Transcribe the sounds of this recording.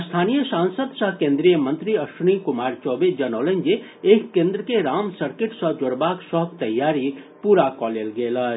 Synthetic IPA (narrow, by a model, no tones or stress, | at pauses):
st̪ʰaːnijəsãːnsəd̪saɦkẽːnd̪ɾijəmə̃nt̪ɾiɐʃunikʊmaːɾt͡ʃɔːbed͡ʒɐnɔːlẽnd͡ʒe | eːkːẽːnd̪ɾəkeɾaːmsəɾkeʈsɔd͡ʒoɾbaːksɔɦkt̪ɐjːaːɾi | puːɾakɔːlelɡeːla